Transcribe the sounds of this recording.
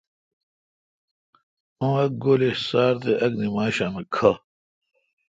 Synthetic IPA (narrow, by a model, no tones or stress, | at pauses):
õːɐk̚ɡolesaːɾt̪eʔɐknimaːɕanɐkʰɐ